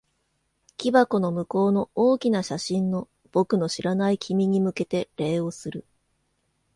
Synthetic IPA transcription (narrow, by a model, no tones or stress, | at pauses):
kʲibako̞no̞mɯ̟ko̞ːno̞oːkʲinaɕaɕĩnːo̞ | b̥o̞kɯ̟no̞ɕiɾanaikʲimʲiɲ̟imɯ̟ke̞t̪e̞ɾe̞ːo̞sɨɾɯ̟